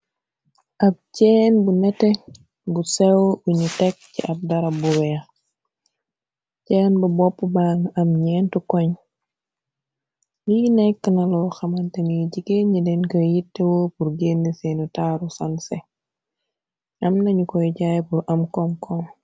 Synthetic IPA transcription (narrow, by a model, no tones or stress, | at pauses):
ʔɐp̚cɛnbunɛtɛ | busɛwuɲutɛkcḭʔɐp̚dɐɾɐbuwɛɐ | cɛːnbɐbɔpːubaŋɐmɲɛːntukɔɲ | jiːnɛkːɐnɐlɔxɐmɐntɐniɟikeɲidɛnkɐjitːɛwoːpuɾɡeːnːisenutaːɾusɐnsɛ | ʔɐmnɐɲukɔjɟajpuɾʔɐmkɔŋkʰɔŋ